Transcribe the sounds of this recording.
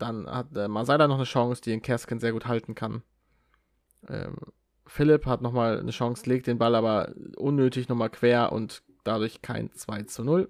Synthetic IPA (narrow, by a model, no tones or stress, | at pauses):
d̥anha̰t̚ʔɛːmanzaɪdɐnɔχnəʃɔŋsd̥iːɪːnkʰɛskənzeːɐɡuːthaltn̩kʰan | ʔɛ̰ːm | fɪlɪphatnɔχmaːlnəʃaŋsleːk̚td̥eːnbalaːbɐʔʊnːøːtɪçnɔχmaːlkv̥eːɐʔʊ̰nt | d̥adʊɐçkʰa̰ɪnt͡sv̥aɪt͡sunʊl